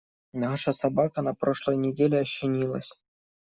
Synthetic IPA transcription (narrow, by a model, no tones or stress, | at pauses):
naʂəsɐbakənɐpɾo̞ʂlˠəjnʲɪdʲelʲɪɐɕːɪnʲilˠə̰sʲ